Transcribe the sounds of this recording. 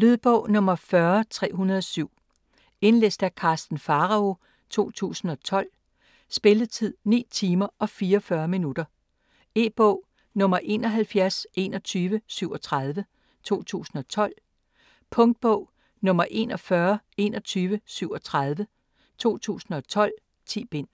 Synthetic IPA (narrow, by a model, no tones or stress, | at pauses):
lyðˠb̥ɔʊ̰nɔ̽mɐfɶɐt͡sʰʁɛ̰ːɦunɐðˠɒsyʊ̰ | e̝nlḛsd̥ækʰɑ̈ːsd̥n̩fɑ̈ʁɑ̈o̝ | t͡sʰo̝̰ːt͡sʰṵːsn̩ɒ̽t͡sʰɒ̽l̰ | sb̥e̝lət͡sʰið̰ˠnḭːt͡sʰiːmɐʔɒ̽fiːɐfɶɐminud̥ɐ | e̝b̥ɔ̽ʊ̰ | nɔ̽mɐʔe̝nɒ̽ɦælfjæɐsʔe̝nɒ̽t͡sʰyːʋəsyʊɒ̽t͡sʰʁað̞ˠʋə | t͡sʰo̝̰ːt͡sʰṵːsn̩ɒ̽t͡sʰɒ̽l̰ | pʰɔ̽ŋd̥̚b̥ɔ̽ʊ̰ | nɔ̽mɐʔe̝̰ːnɒ̽fɶɐe̝nɒ̽t͡sʰyːʋəsyʊɒ̽t͡sʰʁað̞ˠʋə | t͡sʰo̝̰ːt͡sʰṵːsn̩ɒ̽t͡sʰɒ̽l̰ | t͡sʰiːb̥en̰